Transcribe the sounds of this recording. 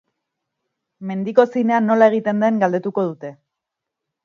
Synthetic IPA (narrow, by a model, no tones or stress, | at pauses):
me̞nd̪iko̞sine̞ano̞lae̞ɣ̞it̪e̞nd̪e̞ŋɡald̪e̞t̪uko̞ð̞ut̪e̞